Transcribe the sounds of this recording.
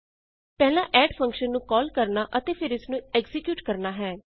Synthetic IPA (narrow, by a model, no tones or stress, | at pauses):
pɛːlãːʔɛːɖpʰə̃ŋkʃənːũːkɔːlkəɾnaːʔət̪eːpʰɪɾɪsnũːɛkzɪkjuːʈkəɾnaːɦɛː